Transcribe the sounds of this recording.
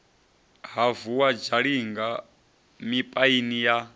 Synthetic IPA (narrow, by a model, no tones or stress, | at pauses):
ɦavuwad͡ʒaɺiŋɡa | mipʼainija